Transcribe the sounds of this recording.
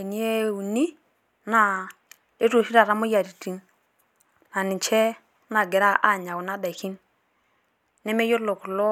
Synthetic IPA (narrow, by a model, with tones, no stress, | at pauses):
e˨ni˦e˦u˨ni˦ | na˨ | e˦tu˨ʃi˦ɾa˨ɾa˦mʊ˦ja˨ɾi˨ti˦n | na˨nɪ˨t͡ʃɛ˦ | na˨ɡɛ˨ɾa˦ʔa˦˨ɲa˨wu˨na˦da˨i˨ki˦n | nɛ˦me˦jo˦ɾlo˨kʊ˨lɔ˦